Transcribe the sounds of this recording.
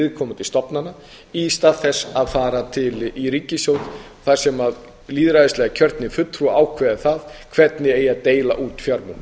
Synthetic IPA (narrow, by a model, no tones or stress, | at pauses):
ɪðkʰɔːmʏt̪ʰɪlst̪ɔpnanːa | ist̪aðθɛsːaðfaːɾat̪ʰɪlʔiɾiːcːɪsjoːwt̪ | θḁsɛmað | liːðɾaðɪst̪lɛɣacʰœɾ̥t̪nɪfʏt̪ːɾuaːwkʰvɛðaθaðkʰvɛt̪nɪeːjaðt̪eːjlaʔuːt̪fjaɾmʏ̰m